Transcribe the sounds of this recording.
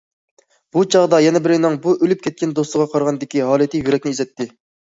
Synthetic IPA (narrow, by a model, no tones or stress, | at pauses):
b̥ut͡ʃʰɑʁd̪ɑjɛnɛbɪɾɪnɨŋbuʔølyp̚kʲʰɛt̪̚kʲɛnd̪osˠəʁɑqʰɑɾʁɑnd̪ɪkʲiɦɑːlˠɨt̪ʰɪjyɾɛkʲnɪizɛt̪ʰːɪ